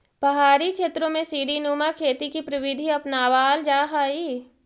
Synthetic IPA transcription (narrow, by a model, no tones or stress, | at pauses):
pɐɦaːɾikʰeːt̪ɾõmẽsiːɖinuːmakʰeːt̪ikipɾɪʋɪd̪ʱiɐpnaːʋaːld͡ʒaːɦaːiː